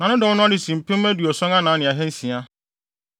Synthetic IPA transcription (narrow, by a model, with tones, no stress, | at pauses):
nã˨nʊ̃˦dɪ˨wʊ̃˦nʊ̃˦a˦dɪ˨sĩ˨m̩˨pʰɪ̃˦æ˦dɥɔ˨sɔ̃˦ŋa˦nãː˨˦nɪ̃˨a˨ɦɛ̃˦n̩˦sĩ˨a˦